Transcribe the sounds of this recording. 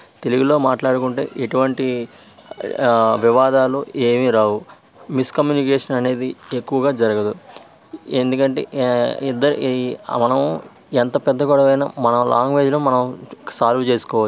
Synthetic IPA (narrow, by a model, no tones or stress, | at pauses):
t̪e̞liɡilo̞ːmaːʈlaːɽukuɳʈe̞̰ːʔeʈuʋɐɳʈi | ʋiʋaːd̪aːlue̞ːmiɾaːwumiskɐmjuːnikeːʂɐnɐne̞ːd̪iekːuʋɐɡaːd͡ʒɐɾɐɡɐd̪u | end̪ukɐɳʈe̞̰ːid̪ːɐɾmɐnɐment̪ɐpɛd̪ːɐkuːɽɐʋɐjnɐ̰mɐnɐmlʔa̰ːŋɡʋeːd͡ʒnɐmɐnɐmsaːlʋut͡ʃe̞ːsu̥kɔːʋa